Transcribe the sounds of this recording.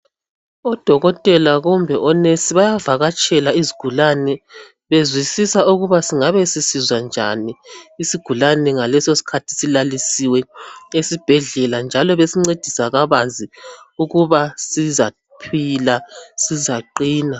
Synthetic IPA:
ɔd̥ʱɔɣɔtʼɛlaɣumbʱɛʔɔnesiβajavaɣat͡ʃʼɛlaiziɡ̥ʱulanɛ | βezwisisauɣuβasiŋaβesisizwand͡ʒʱa̰niːsiɡ̥ʱulanɛŋalɛsosi̥kʰatʰi̥silalisiwɛesib̥ʱɛɮɛland͡ʒʱalɔβesiŋ͡ǀed̥ʱisaɣaβand͡zʱiuɣuβasiza | pʰilasizaǃiːna

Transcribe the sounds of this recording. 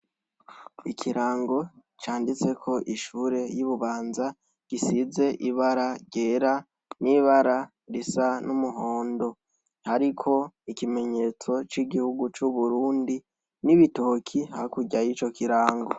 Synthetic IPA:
ikʰiɾaːŋɡo̞ | t͡ʃaːndit͡se̞kʰo̞ʔiʃuːɾe̞juβuβaːnza | ɡ̥isize̞ʔiβaɾaɾɟeːɾa | niβaɾa | ɾisanumuɦo̞ːndo̞ | haɾikʰo̞ikime̞ɲe̞t͡so̞t͡ʃiɡihuɡut͡ʃuβuɾuːndi | niβito̞ːkʰihahikuɟajit͡ʃo̞kiɾaːŋɡo̞̰

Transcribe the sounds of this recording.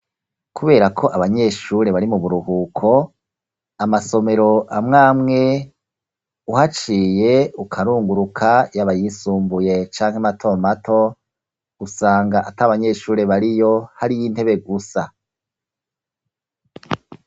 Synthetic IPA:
kʰuβe̞ːɾakʰo̞ʔaβaɲe̞ːʃuːɾe̞βaɾimuβuɾuhuːkʰo̞ | amaso̞me̞ɾo̞ʔamŋaːmŋe̞ | uhat͡ʃiːje̞ukʰaɾuːŋɡuɾukʰajaβajisuːmbuje̞t͡ʃaːŋ̥hematʰo̞ːmatʰo̞ | usaːŋɡaʔataβaɲe̞ːʃuːɾe̞βaɾijo̞haɾijin̥e̞βe̞ɡusa

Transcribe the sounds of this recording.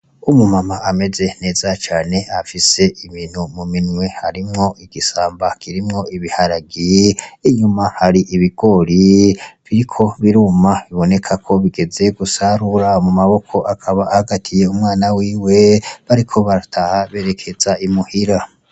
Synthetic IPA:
umumamaame̞ze̞ne̞ːzat͡ʃaːne̞afise̞ʔimin̥humuminwe̞haɾimŋo̞ʔiɡ̥isaːmbakʰiɾimŋo̞iβihaɾaɡiiɲumahaɾiʔiβiɡo̞ɾiβiɾikʰo̞βiɾuːmaβiβo̞ne̞kʰakʰo̞βiɡe̞ze̞ɡusaɾuɾamumaβo̞kʰo̞ʔakʰaβaːhaɡatʰije̞umŋaːnawiːwe̞βaɾikʰo̞βaɾatʰahaβe̞ːɾe̞kʰe̞z̥aimuhiɾa

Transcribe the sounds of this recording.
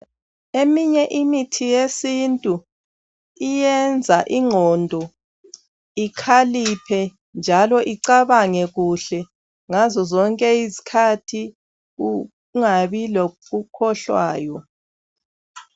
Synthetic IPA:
emiɲɛʔimitʰijesintʼu | ijɛnd͡zʱaʔiŋʱɔndʱɔ | ikʰalipʰɛ | nd͡ʒʱalɔʔiǀaβaŋɛɣuɬɛ | ŋazɔzɔŋkʼɛizi̥kʰatʰi | u | ŋaβilɔɣukʰɔɬwa̰ːjɔ

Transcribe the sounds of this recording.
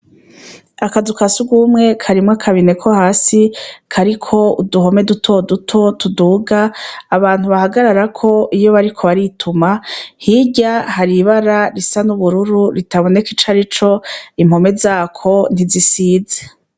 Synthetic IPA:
akazukasuɡumŋe̞kʰaɾimŋakʰaβine̞kʰo̞haːsikʰaɾikʰo̞uduɦo̞me̞dutʰo̞dutʰo̞tuduːɡaːβaːn̥huβahaɡaɾaɾakʰo̞ʔijo̞βaɾikʰo̞βaɾitʰumahiɟahaɾiβaɾaɾisanuβuɾuɾuɾitaβo̞nekit͡ʃaɾit͡ʃo̞im̥ho̞me̞zaːkʰo̞n̥izisiːze

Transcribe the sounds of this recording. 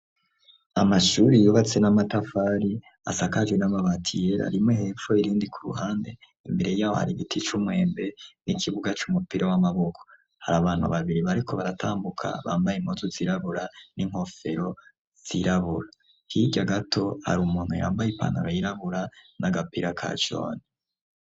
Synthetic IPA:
amaʃuɾijuβat͡se̞namatafaɾi | asakad͡ʒɡwenamaβatʰijeɾa̰ɾimŋeɦeːɱfoiɾiːndikʰuɾṵhaːnde̞ | imbe̞ɾe̞jaːwo̞̰ha̰ɾiɡitʰit͡ʃumwe̞ːmbe̞nikʰiβuɡat͡ʃumupiɾʔawamaβo̞kʰo̥ | haɾaβaːn̥hṵβaβiɾiβaɾikʰo̞βaɾatʰaːmbukʰa̰βa̰ːmbajimozuziɾaβuɾaniŋho̞fe̞ɾo̞ | z̥iɾaβuɾa | hiɟaɡatʰo̞ha̰ɾumuːn̥huja̰ːmbajipa̰naɾajiɾaβuɾanaɡapiɾakʰa̰t͡ʃo̰ːni

